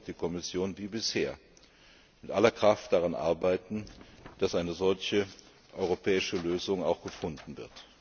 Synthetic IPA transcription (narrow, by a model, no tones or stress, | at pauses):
d̥iːkʰɔmɪsjoːnviːbɪsheːɐ | mɪtʔalɐkʁ̥aft̚d̥aʁanʔa̰ɐbaɪtn̩d̥asʔaɪnəzɔlçə | ʔɔʏʁopʰɛːɪʃəløːzʊŋa̰ʊxɡ̥əfʊndn̩vɪɐt